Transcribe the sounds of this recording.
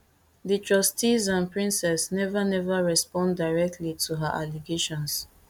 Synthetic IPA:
ditɹɔstizãnpɹĩnsɛsnɛvanɛvaɹɛspɔ̃nddaɪɹɛk̚tʰlitʰuɦaʔaliɡeʃɔ̃ns

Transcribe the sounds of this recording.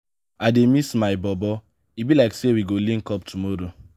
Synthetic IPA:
ademismaɪbɔbɔ | ibilaɪksewiɡolĩnkɔp̚tʰumɔɾo

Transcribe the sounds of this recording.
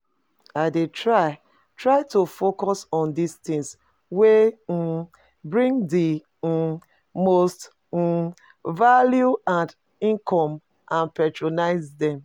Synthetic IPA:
aɪdetɹaɪ | tɹaɪtufokɔsɔ̃ndistĩs | we | bɹĩŋdi | most | valjuãnd | ĩŋkʰɔ̃m | ãnpɛtɹonaɪzdɛ̃m

